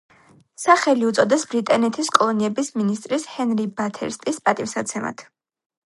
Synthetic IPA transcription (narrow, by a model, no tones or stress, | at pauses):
saχɛliut̪sʼɔd̪ɛsbɾit̪ʼanɛt̪ʰiskʼɔlˠɔniɛbisminist̪ʼɾishɛnɾibat̪ʰɛ̰ɾst̪ʼispʼat̪ʼimsat̪sʰɛma̰t̪ʰ